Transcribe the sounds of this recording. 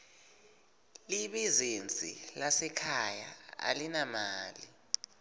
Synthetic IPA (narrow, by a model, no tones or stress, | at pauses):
liɓizind͡zʱḭlasɛkʰajaa̰linamaːli